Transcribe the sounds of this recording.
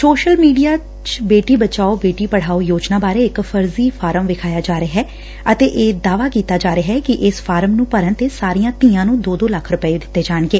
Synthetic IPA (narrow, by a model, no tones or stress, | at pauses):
soːʃəlmiːɖijaː | t͡ʃbeːʈiːbət͡ʃaːobeːʈiːpəɽ̤aːojoːd͡ʒnaːbaːɾeːɪkpʰəɾziːpʰaːɾəmʋɪkʰaːjaːd͡ʒaːɾeɦɛː | ət̪eːʔeːd̪aːʋaːkiːt̪aːd͡ʒaːɾeɦɛːkɪʔɪsfʰaːɾəmnũːpəɾə̃nt̪eːsaːɾijãːt̪iːãːnũːd̪oːd̪oːləkʰɾʊpəeːd̪ɪt̪ːeːd͡ʒaːɳɡeː